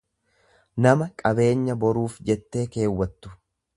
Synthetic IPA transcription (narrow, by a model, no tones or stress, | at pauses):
nɐmɐkʼɐbe̞ːɲːɐbɔɾuːfd͡ʒɛt̪ːe̞ːke̞ːwːɐt̪ːʊ̥